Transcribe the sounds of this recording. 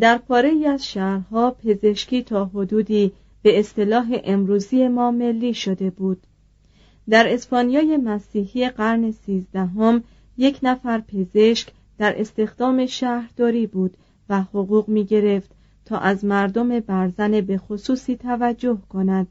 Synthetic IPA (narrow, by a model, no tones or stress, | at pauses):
d̪æɾpʰɒːɾe̞jiæzʃæɾɦɒːpʰe̞ze̞ʃciːt̪ʰɒːɦod̪uːd̪iː | b̥e̞ːst̪e̞lɒːɦe̞ʔemɾuːzie̞mɒːme̞lːiːʃo̞d̪e̞buːd̪̥ | d̪æɾe̞spɒnijɒːje̞mæsiːɦieɢæɾne̞siːzd̪æɦom | je̞cʰnæfæɾpʰe̞ze̞ʃk | d̪̥æɾʔe̞st̪e̞xd̪̥ɒːme̞ʃæhɾd̪̥ɒːɾiːbuːd̪̥ | væhoɣuːɣmiːɟe̞ɾe̞ft̪ | t̪ʰɒːʔæzmæɾd̪o̞me̞bæɾzænebe̞xosuːsiːt̪ʰævæd͡ʒːo̞hkʰo̞næd̪̥